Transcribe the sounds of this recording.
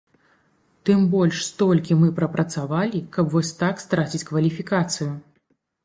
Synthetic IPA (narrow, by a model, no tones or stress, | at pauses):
t̪ɨmbɔlʲʂst̪ɔlʲkʲimɨpɾɐpɾɐt̪savalʲikɐpvɔsʲt̪akst̪ɾat͡sʲit͡sʲkvɐlʲifʲikat̪sɨju